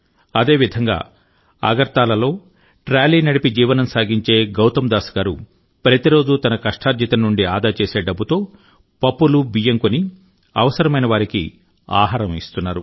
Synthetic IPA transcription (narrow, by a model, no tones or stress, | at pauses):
ɐd̪e̞ːʋid̪ʱɐŋɡa̰ː | ɐ̰ɡɐɾt̪aːlɐlo̞ː | ʈɾaːliːnɐɽipid͡ʒiːʋɐnɐmsaːɡiɲt͡ʃe̞ːɡɐwt̪ɐmd̪aːsɐ̥ɡaːɾu | pɾɐt̪iɾo̞ːd͡ʒut̪ɐnɐkɐʂʈʰaːɾd͡ʒit̪ɐnːuɳɖiaːd̪aːɐt͡ʃeːse̞ːɖɐbːut̪o̞ː | pɐpːulubijɐŋkoni | ɐʋɐsɐɾɐmɐjnɐʋaːɾikḭ | a̰ːɦaːɾɐmḭst̪unːaːɾu